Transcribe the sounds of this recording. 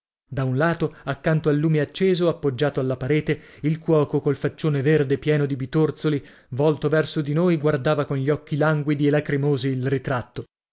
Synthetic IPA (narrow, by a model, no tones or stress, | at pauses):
d̪aunlaːt̪oakːant̪oalːuːmeat͡ʃːeːzoapːod͡ʒːaːt̪oalːapaɾɛːt̪eilkwɔːkokolfat͡ʃːoːneverd̪epjɛːnod̪ibit̪ort̪soli | vɔlt̪ovɛrsod̪inojɡward̪aːvakonʎiɔkːilaŋɡwid̪ielakɾimoːziːlrit̪ɾat̪ːo